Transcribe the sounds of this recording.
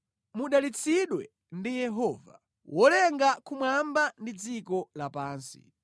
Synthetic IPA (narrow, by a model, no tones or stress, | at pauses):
muɗalit͡sʰiɗwɛ | ndijɛɦɔːva̰ | wɔlɛŋɡakumwambandid͡zikɔlapaːnsḭ